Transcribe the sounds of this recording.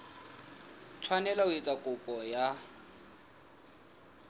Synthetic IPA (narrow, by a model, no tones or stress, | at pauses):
tʰwanɛlaʊet͡sʼakʼʊpʼɔja